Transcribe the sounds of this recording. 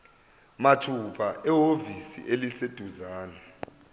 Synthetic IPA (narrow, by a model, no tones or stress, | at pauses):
matʰupʰaʔɛɦovisḭʔelised̥ʱuzaːnɛ